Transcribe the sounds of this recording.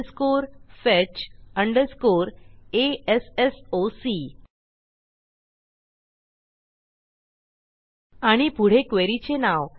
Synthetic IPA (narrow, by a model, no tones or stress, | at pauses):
skoɾfɛt͡ɕəɳɖəɾskoɾeesesosi | aɽ̃ipuɽ̤ekʋeɾit͡ɕenaʋ